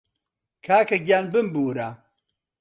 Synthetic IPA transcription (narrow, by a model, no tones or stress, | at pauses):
kʰaːkɐɡʲaːnbɨmbuːɾa